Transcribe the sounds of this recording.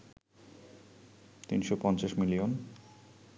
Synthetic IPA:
t̪inʃopɔnt͡ɕaʃmilion

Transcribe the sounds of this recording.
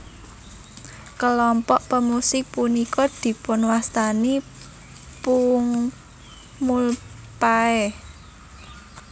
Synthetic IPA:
kəlɔmpɔʔpəmusɪk̚punikɔd̪̥i̤pʊnwast̪ani | puŋ | mul | paɛ

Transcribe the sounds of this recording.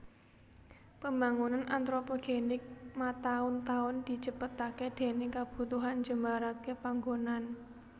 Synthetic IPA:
pəmbaŋunanʔant̪ɾopoɡ̥enɪk̚mat̪aʊnt̪aʊnd̪̥i̤t͡ʃəpət̪aked̥e̤nekab̥ṳt̪uɦand͡ʒəmaɾakepaŋɡonan

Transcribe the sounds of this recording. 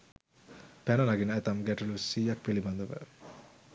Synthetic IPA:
pænənaɡinəæt̪amɡæʈulusiːjak̚piliband̪əʋə̰

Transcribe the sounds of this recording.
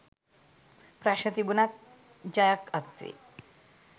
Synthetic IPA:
pɾaʃət̪ibunat̪̚ | d͡ʒajəkəkt̪ʋḭ

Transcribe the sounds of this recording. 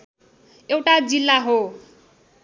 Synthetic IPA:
ewʈad͡zilːaɦo

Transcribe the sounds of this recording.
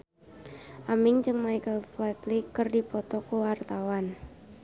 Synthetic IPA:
ʔamɪŋd͡ʒɨŋmajkəlflɛt̪likːərdipɔt̪ɔkowart̪awan

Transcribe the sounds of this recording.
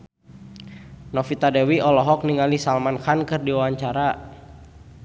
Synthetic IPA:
nɔfit̪adɛwiɔlɔɦɔk̚niŋalisalmanxankɨrdiwawaɲt͡ʃaɾa

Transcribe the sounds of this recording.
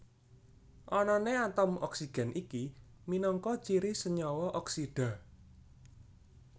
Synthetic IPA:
ʔɔnɔneat̪ɔmɔ̰ksiɡ̥ɛ̤nʔiki | minɔŋkɔt͡ʃiɾisəɲɔwɔʔɔksiɖ̥a̤

